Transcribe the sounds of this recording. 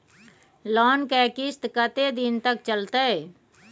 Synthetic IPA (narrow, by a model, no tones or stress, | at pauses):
lɔːnkɛːkɪst̪kət̪ed̪ɪnt̪ək̚t͡ʃəlt̪e